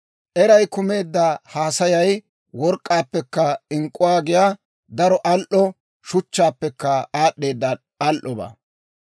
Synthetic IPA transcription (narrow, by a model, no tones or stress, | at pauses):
ʔɛɾɐjkʊme̞ːd̪ːɐhaːsɐjɐj | wɔɾkʼːaːpːɛkːɐɪŋkʼːʊwaːɡɪjaː | d̪ɐɾɔʔɐlʔɔ | ʃʊt͡ʃːaːpːɛkːɐaːɗːe̞ːd̪ːɐ | ɐlʔɔba̰ː